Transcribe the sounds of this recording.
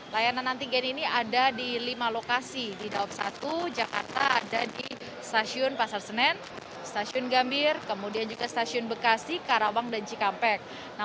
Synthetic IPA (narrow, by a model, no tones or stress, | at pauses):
lajananːant̪iɡɛniniadadilimalokasididawap̚sa̰t̪ud͡ʒakart̪a̰ːdadi | st̪asiʊnpasalsənɛn | st̪asiʊnɡambɪrkəmudiand͡ʒuɡast̪asiʊnbəkasihkaɾawaŋdant͡ʃikampɛk̚ | na